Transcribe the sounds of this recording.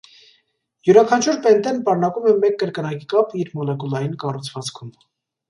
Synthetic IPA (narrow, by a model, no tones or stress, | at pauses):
juɾɑkʰɑnt͡ʃʰuɾpɛnt̪ɛnpɑɾnɑkumɛmɛkːəɾkənɑkikɑpiɾmɔlɛkulɑjinkɑrut͡sʰvɑt͡skʰum